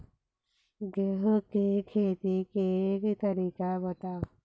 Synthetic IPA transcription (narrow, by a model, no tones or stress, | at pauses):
ɡeɦkekʰeːt̪ikekt̪ɐɾiːkabɐt̪aː